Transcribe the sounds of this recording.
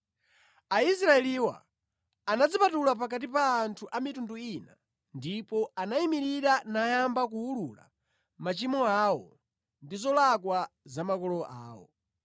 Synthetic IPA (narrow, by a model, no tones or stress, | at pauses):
ais̬ɾaɛliwa̰ | anad͡zipatulap̬ak̬at̬ipaːntʰuʔamitunduina̰ | ndipɔanaimiɾiɾanajambak̬uulula̰ | mat͡ʃimɔawɔ̰ | ndizɔlak̬wazamakɔlɔʔaːwɔ̰